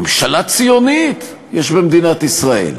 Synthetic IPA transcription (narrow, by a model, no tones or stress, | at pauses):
mʃalat͡sijo̞nit̪ | jeʃbemd̪inat̪isʁaḛl